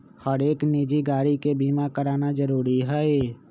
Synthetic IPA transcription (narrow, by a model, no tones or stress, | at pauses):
həɾeːkniːd͡ʒiɡaːɽikebiːmakəɾaːnad͡ʒəɾuːɾiɦɛe